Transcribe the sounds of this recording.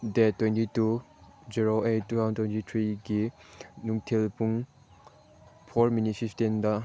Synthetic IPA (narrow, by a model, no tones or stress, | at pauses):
detːwentitu | d͡ʒiɾoʔejːutʰantwentitʰɾiɡinuŋtʰilpuŋ | pʰoɾminipʰiptindɐ